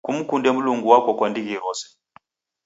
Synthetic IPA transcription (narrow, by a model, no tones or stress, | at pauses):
kum̩kundɛm̩luŋɡuwakɔkwandiɣiɾɔsɛ̥